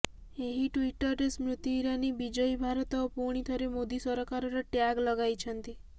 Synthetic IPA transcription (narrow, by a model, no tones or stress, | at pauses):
eɦiʈwiʈɔɾesmɾut̪juɾanibid͡ʒɔjbʱaɾɔt̪ɔpuɽ̃it̪ʰɔɾemod̪isɔɾɔkaɾɔɾɔʈjaɡlɔɡajt͡ʃʰɔnt̪i